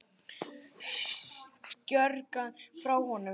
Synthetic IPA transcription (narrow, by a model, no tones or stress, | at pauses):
cœɾkanfɾawhɔnːʏ